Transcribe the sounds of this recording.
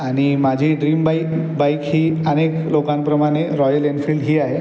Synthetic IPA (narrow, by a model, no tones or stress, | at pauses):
animad͡ʒʱiɖɾimba | bajkɦiəneklokanpɾɔmaneɾɔjəlenpʰilɖɦiaɦe